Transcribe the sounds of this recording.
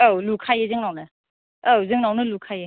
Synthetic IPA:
awlukʰajezɯŋnawnɯ | awzɯŋnawnɯlukʰaje

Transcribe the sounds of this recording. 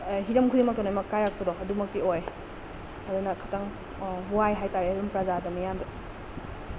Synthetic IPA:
ɦiɾɐmkʰudimɐk̚tɔnojmɐkːajɾak̚pɐdɔɐdumɐk̚tioj | ɐdunɐkʰɐtaŋ | wajɦajtaɾeiɾɐmpɾazadɐmɐjamdɔ

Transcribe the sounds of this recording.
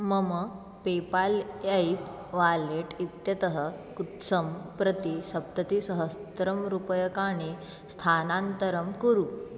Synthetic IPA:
məmə | pepalaip | ʋaleʈit̪jɐt̪əɦə | kut̪səmpɾət̪iɕɐp̚t̪ət̪isəɦəst̪ɾəmɾupəjəkaɽ̃i | st̪ʰanãnt̪əɾəmkəɾuː

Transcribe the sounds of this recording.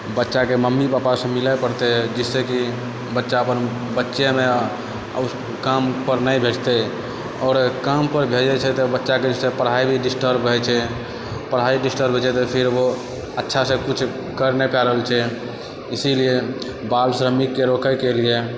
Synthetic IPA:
bətːʃakeməmːipapasẽmilapəɾt̪ed͡ʒisːeki | bətːʃaəpən | bətːʃeme | kampəɾnəjbʱeʈt̪e | ɔːɾkampəɾbʱed͡ʒɛt͡ʃʰɛt̪ɔbətːʃaked͡ʒisepəɾɦaibʱiɖisʈəɾbɦɛt͡ʃʰɛ | pəɾɦaiɖisʈəɾbʱet͡ʃɛt̪ɔpʰiɾbo | ətːʃʰasẽkut͡ʃʰ | kəɾnepaɾəɦəlt͡ʃʰɛ | isilie | balsɾəmikːeɾokəkelie

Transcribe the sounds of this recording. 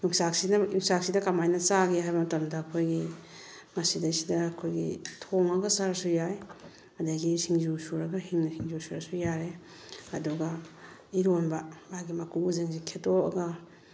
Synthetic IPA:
nuŋsaksinajuŋsak̚sidɐkamajnɐt͡ʃaɡeɦajbɐmtamdaːkʰojɡi | mɐsidajsidaːkʰojɡḭtʰoŋaɡasaɾasujaj | madaɡisiŋzusuɾaɡaɦiŋnasiŋzusuɾasujaɾe | ɐduɡa | iɾonbabaɡimɐkuuzɯŋsikʰetoa̰ɡa

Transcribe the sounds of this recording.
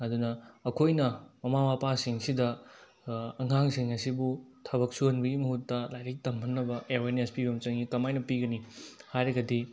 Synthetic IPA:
ɐdunɐːkʰojnɐmɐmamapasiŋsidɐ | ɐŋaŋsiŋɐsibutʰɐβɐk̚suhɐnbɐɡimɐɦutːɐlajɾek̚tɐmpʰɐnːɐbɐʔeɾoenespibɐmt͡ʃɐŋikɐmajnɐpiɡɐnihajɾɐɡɐdi

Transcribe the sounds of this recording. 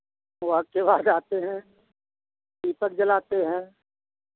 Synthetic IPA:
akebaːd̪aːt̪eɦɛ̃ː | d̪iːpək̚d͡ʒəlaːt̪eɦɛ̃ː

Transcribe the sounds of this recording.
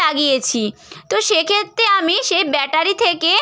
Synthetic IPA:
aɡijet͡ɕʰit̪oʃekʰet̪ːɾeamiʃejbɛʈaɾit̪ʰeke

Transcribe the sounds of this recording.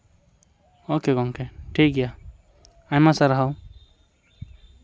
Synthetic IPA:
okekɔŋkeʈʰik̚ɡɛja | ajmasaɾaɦaw

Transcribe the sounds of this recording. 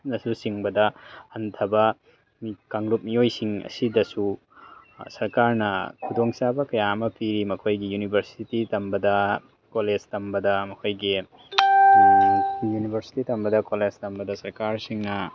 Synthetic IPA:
nɐsusiŋbɐdɐɐntʰɐbɐ | mikaŋlup̚mijojsiŋɐ̰sidɐsu | sɐɾkaɾnɐ̰kʰudoŋsabɐkɐjaɐmɐpiɾimɐkʰojɡijunibʱɐɾsititɐmbɐdɐ | koled͡ʒtɐmbɐdɐmɐkʰojɡi | junibʱɐɾsi̥titɐmbɐdɐkoled͡ʒtɐmbɐdɐsɐɾkaɾsiŋnɐ

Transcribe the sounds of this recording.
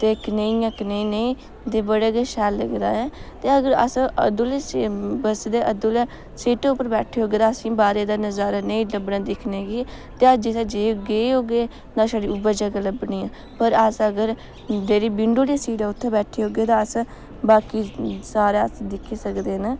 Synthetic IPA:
t̪eːkneĩãːkneĩːneĩː | d̪eːbəɽeːɡeʃɛːlːəɡd̪a̰ːɛːt̪eːəɡəɾə̰sə̰d̪ʊlebəsd̪eːʔəd̪ʊlː | siːʈeːʊpːəɾbɛːʈʰeːɦoːɡeːt̪ãːəsĩːbaːɾeːd̪aːnəzaːɾaːneĩːləbnaːd̪ɪkʰneːɡiː | t̪eːəd͡ʒɪseːd͡ʒeːɡeːɦoːɡeː | t̪ãːsaːɽiːʊbəd͡ʒəɡaːləbniːãː | pəɾəsəɡəɾ | d͡ʒeːɾiːbɪɳɖoːlasiːʈaːʊt̪ʰːẽbɛːʈʰeːɦoːɡeːt̪ãːəs | baːkiːsaːɾeːəsd̪ɪkʰːeːsəkd̪eːna

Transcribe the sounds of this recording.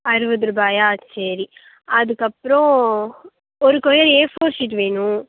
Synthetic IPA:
ɐɾɯʋɐðɯɾɯbaːjaːsɐɾi | ɐðɯkːɐpːɾõ | ɔɾɯkɔjɐɾeːfoːɾsɪʈ̬ːʋeːɳʊ̃

